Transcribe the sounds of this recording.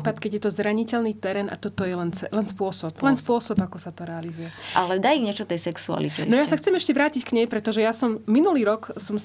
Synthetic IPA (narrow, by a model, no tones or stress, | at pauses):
ipat̪kɛɟjɛt̪ɔzɾaɲicɛlniːt̪ɛɾɛːna̰t̪ɔt̪ɔjɛlɛnɛlɛnspʊɔsɔplɛnspʊɔsɔbakɔsat̪ɔɾɛalizujɛʔalɛd̪aiɣɲɪɛt͡ʃɔt̪ɛjsɛksua̰lḭcɛ̰nɔjassaxt͡sɛmɛʃcɛʋɾaːcickɲɛjpɾɛt̪ɔʒɛjasɔmːinuliːɾɔksɔm